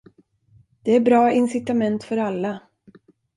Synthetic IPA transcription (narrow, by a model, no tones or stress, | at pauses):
d̪̥ɛæɾbɾɑːɪnsɪt̪amɛnt̪fœɾalːa